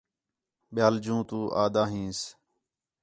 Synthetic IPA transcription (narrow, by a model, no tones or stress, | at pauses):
ɓɪjaːld͡ʒũːt̪uːʔaːd̪aːɦĩːs